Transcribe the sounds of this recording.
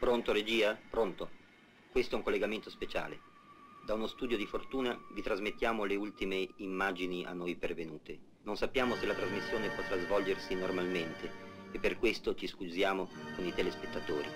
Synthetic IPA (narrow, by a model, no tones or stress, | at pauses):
pɾont̪oɾed͡ʒiːapɾont̪o | kwest̪oɛuŋkolːeɡament̪ospet͡ʃa̰ːle | d̪aunost̪uːd̪jod̪ifort̪uːnavit̪ɾazmet̪ːjaːmoleult̪imeimːaːd͡ʒiniʔa̰nːojpervenuːt̪e | nonsapːjaːmoselat̪ɾazmisːjoːnepot̪ɾazvɔld͡ʒersinormalment̪eepːerkwest̪ot͡ʃiskuzjaːmokonit̪elespet̪ːat̪oːɾḭ